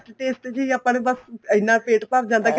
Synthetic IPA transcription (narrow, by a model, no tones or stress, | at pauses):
t͡ʃʈeːsʈ̪et͡ʃəiaːpːaːnːbəsəɪnːãːpeːʈpad͡ʒãːnd̪aːk